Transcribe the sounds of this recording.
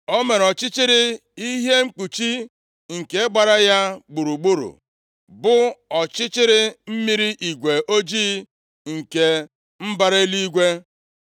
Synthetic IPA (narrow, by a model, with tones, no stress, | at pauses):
o˦me˨ɾɔ˨t͡ʃɪ˦t͡ʃɪ˦ɾɪ˦i˦ɦje˦ŋ͡m̩˦k͡pu˨t͡ʃi˦ | ŋ̩˨ke˦e˦ɡ͡ba˨ɾa˦ja˦ɡ͡bu˨ɾu˨ɡ͡bu˦ɾṵ˨ | bʊ˦ɔ˨t͡ʃɪ˦t͡ʃɪ˦ɾɪ˦m̩˦mi˦ɾi˦ʔi˨ɡʷe˨ʔo˦d͡ʒiː˦ | ŋ̩˨ke˨ | m̩˦ba˦ɾe˦li˦ɡʷe˦